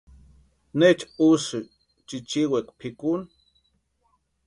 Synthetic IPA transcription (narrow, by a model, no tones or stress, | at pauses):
net͡ʃusɨ | t͡ʃit͡ʃiwekpʰikun